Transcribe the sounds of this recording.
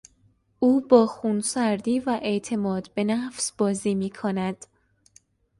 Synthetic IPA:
ʔuːbɒːxuːnsæɾd̪iːvæʔe̞ʔt̪ʰe̞mɒːd̪be̞næfsb̥ɒːziːmiːkʰonæd̪̥

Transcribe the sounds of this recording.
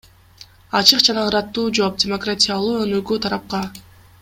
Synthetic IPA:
ɑt͡ʃɯqd͡ʒɑnɑɯɾɑt̪ːuːd͡ʒo̞p̚dʲɪmo̞kratʲijalˠuːønøɡyt̪ʰɑɾɑp̚qɑ

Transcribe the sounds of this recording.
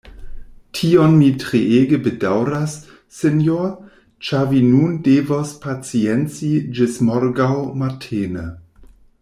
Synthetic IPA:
tʰionmitɾeeːɡəbedawɾasː | enjo | t͡ʃavinundevospʰat͡sient͡sid͡ʒɪsmoɾɡawmatʰeːnə̰

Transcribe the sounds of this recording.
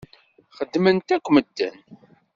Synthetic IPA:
χəd̪ːmənt̪ækʷːməd̪ːə̰n

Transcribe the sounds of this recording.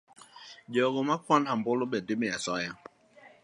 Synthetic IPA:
d͡ʒɔɡɔmakʰwanham̩bolʊbɛdɪmɛasɔja

